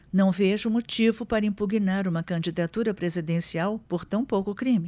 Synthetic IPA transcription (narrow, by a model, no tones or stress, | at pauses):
nɐ̃w̃veʒʊmot͡ʃivʊpaɾɐĩpuɡinaɾũmɐkɐ̃d͡ʒid̪at̪uɾɐpɾezid̪ẽsiawpoɾt̪ɐ̃w̃powkʊkɾĩmɪ